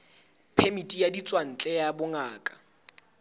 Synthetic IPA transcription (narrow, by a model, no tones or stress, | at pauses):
pʰemitʼijadit͡sʼwan̩t͡ɬʼɛjabʊŋaːkʼḁ